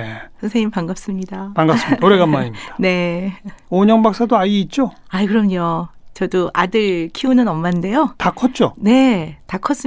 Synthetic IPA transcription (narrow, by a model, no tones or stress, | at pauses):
esʰʌnsʰeŋɲimpaŋɡʌp̚s͈ɯmɲidapaŋɡʌs͈ɯmioɾeɡamːaɲimd̥ane̞ | oɲʌŋbak̚s͈adoajiit̚t͡ɕ͈oaikɯɾʌmɲot͡ɕʌdoʔadɯɭkʰiunɯnʌmːande̞jotakʰʌt̚t͡ɕ͈one̞takʰʌs͈ɯ